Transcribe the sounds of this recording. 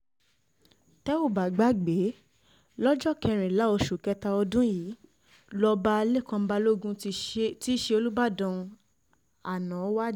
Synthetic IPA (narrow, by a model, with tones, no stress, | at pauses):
tɛ˦o˦˨ba˨ɡ͡ba˨˦ɡ͡be˨˦ | lɔ˦d͡ʒɔ˦˨kɛ˧ɾ̃ĩ˨la˨˦o˧ʃu˨kɛ˧ta˧ɔ˧dũ˦jiː˨˦ | lɔ˧ba˧le˦˨kã˧˦˧ba˧˦lo˦˨ɡũ˦ti˦ʃe˧o˧lu˦ba˦˨dɔ̃˧ | a˨nã˨˦wa˦